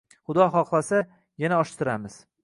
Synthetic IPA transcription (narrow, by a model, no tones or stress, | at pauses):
χʊd̪ɒχɒqlˠasa | janaɒʃt̪ʰɪɾamɪz̥